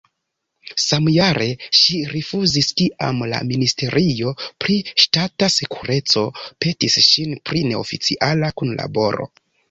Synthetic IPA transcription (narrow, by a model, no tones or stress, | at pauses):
samjaɾe̞ʃiɾifuziskiʔa̰mla̰ministe̞ɾʔio̞pɾiʃtatase̞kuɾe̞t͡so̞pe̞tisʃinpɾine̞o̰fit͡siʔalakunla̰bo̞ɾo̞̰